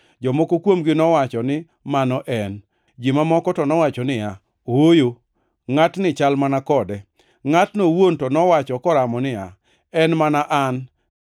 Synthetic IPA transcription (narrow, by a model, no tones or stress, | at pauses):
d͡ʒɔmokokwomɡɪnɔwat͡ʃɔnɪ | manɔʔɛn | d͡ʒimamɔkɔtɔnɔwat͡ʃɔnɪa | ojo | ŋatnɪt͡ʃalmanakɔdɛ | ŋatnowontɔnɔwat͡ʃɔkɔɾamɔnɪa̰ | ɛnmanaʔan